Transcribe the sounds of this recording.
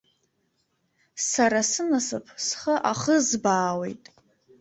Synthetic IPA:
saɾasɨnasɨpʰsχəʔaχəzbaːwejtʼ

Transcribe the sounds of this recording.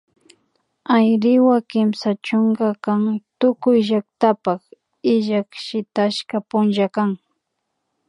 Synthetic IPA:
ajɾɪwakɪmsat͡ʃʊŋɡakaŋt̪ʊkʊjʒak̚t̪apaχ | ɪʒakʃɪt̪aʃkapʊnʒakaŋ

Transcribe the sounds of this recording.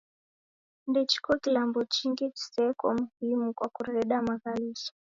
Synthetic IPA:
ndɛt͡ʃi̥kɔkilambɔt͡ʃiŋɡit͡ʃi̥sɛkwa̰muhimukwakuɾɛɛɗamaɣalisɔ̥

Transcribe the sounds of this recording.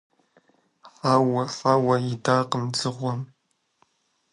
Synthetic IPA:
ħawɐfawɐjɪdaːqəmd͡zɨʁʷɔm

